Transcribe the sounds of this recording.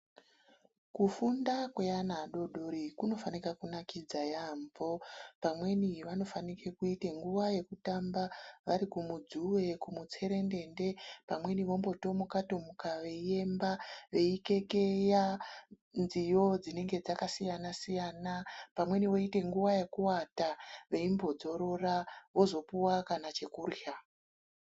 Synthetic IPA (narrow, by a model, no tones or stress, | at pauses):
kufundakwe̞anaɗo̞ɗoɾikuno̞fanikakunakid͡zajaɱvo̞pamwe̞niʋano̞fanikekuite̞ŋɡuʋaje̞kutambaʋaɾikumud͡zuʋe̞kumut͡se̞ɾe̞nde̞nde̞pamwe̞niʋo̞mbo̞to̞mukato̞mukaʋe̞ie̞mbaʋe̞ike̞ke̞ja | nzijo̞d͡zine̞ŋɡe̞d͡zakasijanasijanapamwe̞niʋo̞ite̞ŋɡuʋaje̞kuwataʋe̞imbo̞d͡zo̞ɾo̞raʋo̞zo̞puwakanat͡ʃe̞kurja